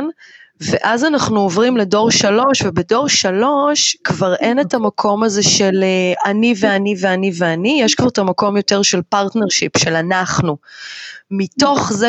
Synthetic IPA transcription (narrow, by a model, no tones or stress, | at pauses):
nveʔazanaχnuovʁimle̞do̞ʁʃalo̞ʃvebedo̞ʁʃalo̞ʃkvaʁʔe̞ne̞tamakʰo̞maze̞ʃeleanive̞aniveaniveanijɛʃkvaʁetamako̞mjo̞te̞ʁʃe̞lpaʁtne̞ʁʃipʃe̞lanaχnu | mito̞χze